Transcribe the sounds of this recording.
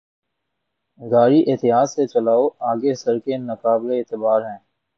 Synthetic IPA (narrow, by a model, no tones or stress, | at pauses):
ɡaːɾiʔeːt̪ɪɦaːzset͡ʃɐlaːoaːɡesɐɾkenɐkaːbɾeːt̪ɪbaːɾɦɛ̃ː